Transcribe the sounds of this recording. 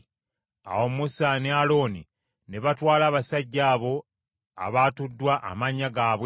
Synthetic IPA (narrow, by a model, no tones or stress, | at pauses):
a̰wo̞musanealo̞ːni | ne̞βatwaːlaːβasaɟːaːβo̞ | a̰βaːtudːwaʔa̰maɲːaɡaːβwe